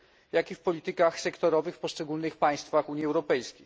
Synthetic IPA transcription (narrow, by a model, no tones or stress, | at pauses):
jakʲifpɔlʲit̪ɘkaxsɛkt̪ɔɾɔvɘxfpɔʂt͡ʂɛɡulnɘxpaj̃st̪faxuɲiɛwɾɔpɛjskʲi